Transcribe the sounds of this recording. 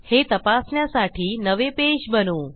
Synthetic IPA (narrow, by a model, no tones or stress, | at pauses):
het̪əpasnjãsaʈʰiːnəʋepeʃbənoː